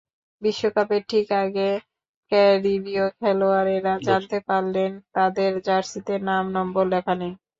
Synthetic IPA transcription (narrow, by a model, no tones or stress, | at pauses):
biʃːokapeɾʈʰikaɡe | kɛɾibiokʰɛloaɾeɾad͡ʑant̪epaɾlent̪ad̪eɾd͡ʑaɾsit̪eɾnamnɔmbolːɛkʰane